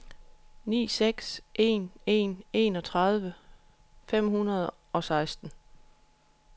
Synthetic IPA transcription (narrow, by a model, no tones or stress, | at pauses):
nḭːseɡ̥sʔe̝̰ne̝̰ːne̝ːnɒ̽t͡sʰʁɑ̈ð̞ˠʋə | fem̰hunɐð̞̩ˠ | ɒ̽sɑ̈ɪsd̥n̩